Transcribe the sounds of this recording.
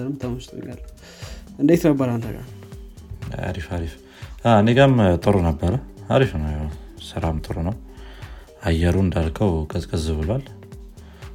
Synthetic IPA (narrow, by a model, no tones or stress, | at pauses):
ɾɨmt̪ʰəməst̪ʼɲa̰lːə | ʔɨnd̪et̪nəbːəɾant̪əɡa̰ | a̰ɾifaɾif | aɨneɡamt̪ʼɨɾonəbːəɾəhaɾifnəwjsɨɾamt̪ʼɨɾonəw | ajɛɾuɨnd̪alkʰəwkʼəzkʼəzɨβɨlal